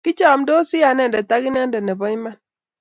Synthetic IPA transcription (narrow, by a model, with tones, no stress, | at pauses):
ki˦t͡ʃa˦˨mdo˦si˦ja˨nɛ˦˨ndɛ˨ta˦ɡi˦n˦a˦ndɛ˨nɛ˨bɔ˦ma˦˨n